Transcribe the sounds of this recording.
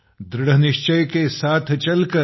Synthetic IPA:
d̪ɾɪɽənɪʃt͡ʃəjkesaːt̪ʰt͡ʃɐlkɐ

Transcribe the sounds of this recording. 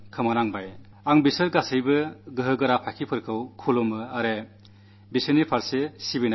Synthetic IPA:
kʰɯmanaŋbaj | aŋbisɯɾɡasɯjbɯɡɯɦɯɡɯɾapʰajkʰipʰɯɾkʰɯwkʰulomɯaɾe | bisɯnipʰaɾsesibina

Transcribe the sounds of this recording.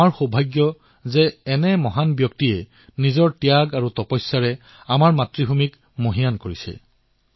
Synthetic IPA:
aɹxobʱajɡjɔ | zɛːnɛmɔɦanbjɔk̚tiɛ | nizɔɹtijaɡaɹutɔpɔjsːaɹɛ | amaɹmatɹibʱumik | moɦijankoɹisɛ̰

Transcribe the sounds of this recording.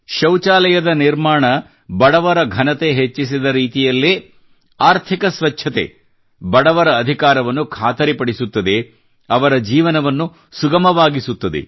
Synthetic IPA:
ʃɐwt͡ʃaːlɐjɐd̪ɐniɾmaːɳɐ | bɐɽɐʋɐɾɐɡʱɐnɐt̪e̞ɦet͡ʃːisid̪ɐɾiːt̪ijɐlːe | aːɾt̪ʰikɐsʋɐt͡ʃːʃʰɐt̪e̞̰ | bɐɽɐʋɐɾɐːd̪ʱikaːɾɐʋɐnːukʰaːt̪ɐɾipɐɽisut̪ːɐd̪e̞ | ɐʋɐɾɐd͡ʒiːʋɐnɐʋɐnːu | suɡɐmɐʋaːɡisut̪ːɐd̪e̞̰

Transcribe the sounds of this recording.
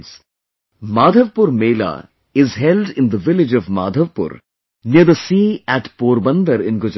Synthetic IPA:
s | maːd̪ʱəʋpʊɾmeːla̰ | ɪzɦɛlɖɪ̃nd̪əʋɪlɪd͡ʒɔvma̰ːd̪ʱəʋpʊ̰ɾ | njəd̪əsiːæʈpoːɾbə̃nd̪əɾɪ̃nɡʊd͡ʒ

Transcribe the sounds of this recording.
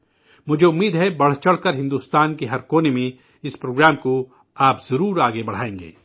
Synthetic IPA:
mʊd͡ʒʱeʊmːiːd̪ɦɛbɐɽ̤t͡ʃɐɽ̤kɐɾɦɪ̃nd̪uːst̪aːnkeɦɐɾkoːnemẽ | ɪspɾoːɡɾaːmko | aːpzɐɾuːɾaːɡebɐɽ̤aːẽːŋɡḛː

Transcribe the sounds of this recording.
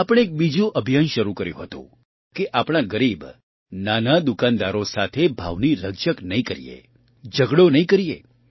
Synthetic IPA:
apəɽ̃eːk̚bid͡ʒũʔəbʱjanʃəɾukəɾjṵ̃ɦət̪ṵ̃ | keʔapɽ̃aɡəɾib | nanad̪ukand̪aɾosat̪ʰebʱa̰ʋniɾəɡʃəknəĩkəɾḭjḛ | d͡ʒəɡɽonəĩkəɾijḛ

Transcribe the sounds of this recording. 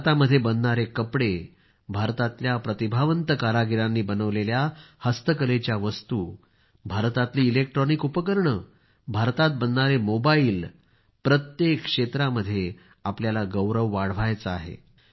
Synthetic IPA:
t̪aməd̪ʱːjebənːaɾekəpɽe | bʱaɾt̪at̪ljapɾət̪ibʱaʋənt̪əkaɾaɡiɾanːiːbənəʋleljahəst̪əkəlet͡ɕjaʋəst̪uː | bʱaɾt̪at̪liːlek̚ʈɾɔnikupəkəɾɳə | bʱaɾt̪at̪̚bənːaɾemobaiːl | pɾət̪jekːʂet̪ɾaməd̪ʱːje | apljalaɡəwɾəʋːaɽ̤ʋajt͡səaɦḛ

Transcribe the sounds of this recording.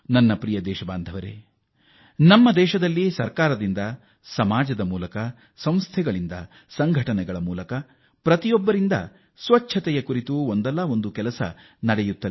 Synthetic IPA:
nɐnːɐpɾijɐd̪ɛːʃɐbaːnd̪ʱɐʋɐɾḛː | nɐmːɐd̪ɛːʃɐd̪ɐlːisɐɾkaːɾɐd̪ind̪ɐ | sɐmaːd͡ʒɐd̪ɐmuːlɐkɐ | sɐ̃m̃st̪ʰɛɡɐɭind̪ɐ̰ | sɐŋɡʱɐʈɐnɛɡɐɭɐmuːlɐkɐ | pɾɐt̪ijɔbːɐɾind̪ɐ̰ | sʋɐt͡ʃʰːɐt̪ɛjɐkuɾit̪uond̪ɛlːɐond̪ukɛlɐsɐ̰ | nɐɽɛjut̪ːɐl

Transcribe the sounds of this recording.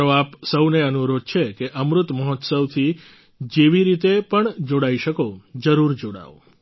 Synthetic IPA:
oapsəwneənuɾod̪̚t͡ʃʰekeʔəmɾʊt̪məɦɔt̪səwt̪ʰi | d͡ʒeʋiɾit̪epəɳd͡ʒoɽaiʃəkod͡ʒəɾuɾd͡ʒoɽa̰o̰

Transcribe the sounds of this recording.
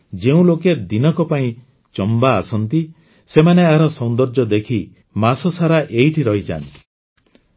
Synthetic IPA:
d͡ʒeũloked̪inɔkɔpaĩ | t͡ʃɔmbaːsɔnt̪i | semaneaɾɔsɔnd̪ɔɾd͡ʒɔd̪ekʰi | masɔsaɾaʔeiʈʰiɾɔɦit͡ʃa̰nt̪i̥

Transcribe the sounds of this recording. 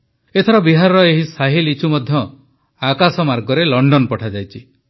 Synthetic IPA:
et̪ʰɔɾɔbiɦaɾɔɾɔeɦisaɦilit͡ʃʰumɔd̪ʱjɔ | akasɔmaɾɡɔɾelɔɳɖɔnpɔʈʰad͡ʒajt͡ʃʰi

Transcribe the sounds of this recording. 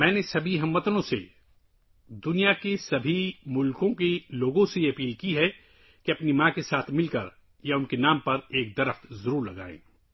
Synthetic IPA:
mɛ̃ːnesɐbʱiɦɐmːət̪nõsḛ | d̪ʊnijakesɐbʱimʊlkõkeloːɡõsejeɐpiːlkiɦɛ | keɐpnimãːkesaːt̪ʰmɪlkɐɾ | jaʊnkenaːmpɐɾeːk̚d̪ɐɾəft̪zɐɾuːɾlɐɡa̰ːḛ̃ː

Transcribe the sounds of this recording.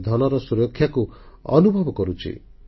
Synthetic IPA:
d̪ʱɔlɔɾɔsuɾɔkʰːjakuɔ̰nubʱɔbɔkɔɾut͡ʃʰḭ

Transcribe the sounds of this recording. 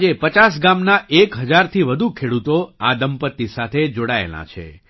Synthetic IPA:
d͡ʒepət͡ʃas̬ɡamnaʔekɦəd͡ʒaɾt̪ʰiʋəd̪ʱukʰeɽut̪oad̪əmpət̪ːisat̪ʰed͡ʒoɽaḛla̰t͡ʃʰḛ

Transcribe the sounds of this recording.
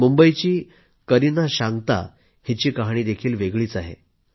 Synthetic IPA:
mumbəjt͡ɕiː | kəɾinaɕaŋɡt̪a̰ | hit͡ɕiːkaɦɳ̃iːd̪ekʰiːlʋeɡɭiːt͡saɦḛ

